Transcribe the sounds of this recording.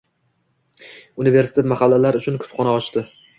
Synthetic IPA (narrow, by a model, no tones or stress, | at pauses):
ʊnive̞ɾsɪ̥t̪ʰet̪maχalːalaɾʊt͡ʃʰʊnkʰʊ̥t̪χɒnaɒʃt̪ɪ